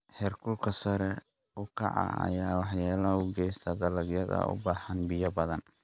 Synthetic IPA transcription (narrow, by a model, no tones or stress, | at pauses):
hɛrkʰʊlkʰɐsɐɾɛ | ʊkʰɑ̰ʕɑ̰ɐ̰jaːwɑħjaːlɐʊɡɛjst̪ʰɐd̪ɐlɐɡjɐðɐ̰ʊ̰baːħɐnbɪjɐbɐðɐn